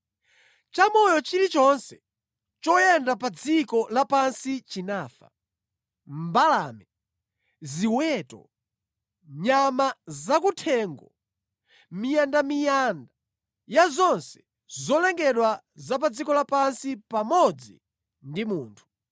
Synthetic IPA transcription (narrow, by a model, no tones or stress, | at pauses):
t͡ʃamɔjɔt͡ʃiɾit͡ʃɔnsɛ | t͡ʃɔjɛndapad͡zikɔlapansit͡ʃinaːfa̰ | m̩balamɛ | ziwɛtɔ̰ | ɲamazakutʰɛːŋɡɔ | mijandamijaːnda | jazɔnsɛ̥ | zɔlɛŋɡɛɗwa | zap̬ad͡zikɔlapansipamɔd͡zḭ | ndimuːntʰu̥